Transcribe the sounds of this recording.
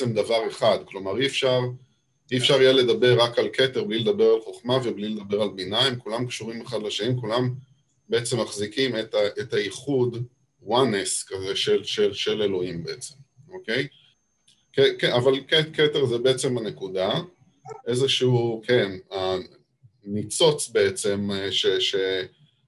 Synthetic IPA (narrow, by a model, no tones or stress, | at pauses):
emd̪avaʁe̞χadklo̞maʁiefʃaʁ | iefʃaʁijele̞d̪abe̞ʁːakalkʰeteʁbliled̪abe̞ʁalχo̞χmaveblile̞d̪abe̞ʁalbinaimkulamkʃuʁimeχad̪laʃanimkulam | be̞et͡se̞mːaχzikimet̪aʔet̪aiχud | waneskazeʃelʃelʃe̞le̞lo̞imbeet͡se̞mo̞ke̞j | kekeavalkeketeʁzebe̞et͡se̞mhane̞kud̪a | ʔe̞zeʃiukʰena | nit͡so̞t͡sbe̞et͡se̞mʃeʃe